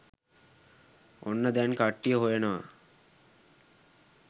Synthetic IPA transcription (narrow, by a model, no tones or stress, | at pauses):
onːəd̪ænkaʈːijəɦojenəʋa̰